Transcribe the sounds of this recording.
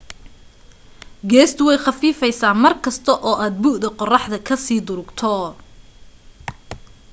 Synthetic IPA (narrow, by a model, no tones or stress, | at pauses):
ɡɛːst̪ʰʊwɛjχɑfiːfɛjsaːmɐrkʰɐst̪ʰɐʔɔːʔaːd̪̚buːʔd̪ɐqɔrɑħd̪ɐkʰɐsiːd̪ʊɾʊɡt̪ʰɔ